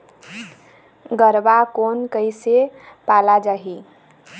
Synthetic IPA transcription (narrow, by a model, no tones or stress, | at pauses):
ɡəɾbakonkəɪsepalad͡ʒaɦi